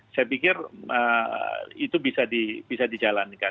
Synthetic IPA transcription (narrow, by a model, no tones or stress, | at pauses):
sajapikɪrə̰ | it̪ubisadib̥isadid͡ʒalanka